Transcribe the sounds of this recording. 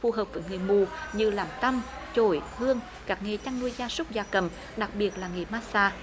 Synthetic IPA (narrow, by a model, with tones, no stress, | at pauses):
fu˧˩ɦəː˨˩p̚vəː˧˩˦jŋɨ˨˩əjmu˨˩ɲɨ˧laː˨˩mt̪ə˧mt͡ɕo˧˩jhɨ˧əŋ | kaː˦˥k̚ŋe˨˩t͡ɕa˧ŋnu˧əjzaː˧sʊ˦˥k͡p̚zaː˧˩kə˧˩m | ɗa˨˩k̚ɓi˨˩ət̚laː˨˩ŋi˨˩maː˦˥saː˧